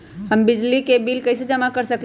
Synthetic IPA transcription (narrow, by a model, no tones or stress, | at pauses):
həmbɪd͡ʒlikebiːlkɐɪsed͡ʒəmakəɾsəkl